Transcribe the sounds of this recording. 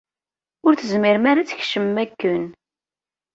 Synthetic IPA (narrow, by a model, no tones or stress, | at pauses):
ʊɾθəzmɪɾmaɾat͡sːçʃəmːækːən